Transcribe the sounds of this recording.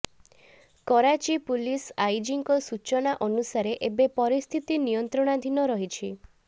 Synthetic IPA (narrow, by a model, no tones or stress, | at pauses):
kɔɾat͡ʃipulisajd͡ʒiŋkɔsut͡ʃɔñaʔɔnusaɾeʔebepɔɾist̪ʰit̪inijɔnt̪ɾɔɽ̃ad̪ʱinɔɾɔɦit͡ʃʰi